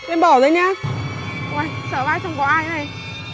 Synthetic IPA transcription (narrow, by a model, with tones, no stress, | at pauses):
ʔɛ˧mɓɔ˧˩wzə˨˧˦jɲaː˧ | waː˨˩jsəː˧˩vaː˧˩jt͡ɕɔ˧wŋ͡mkɔ˧˦ʔaː˧jna˨˩j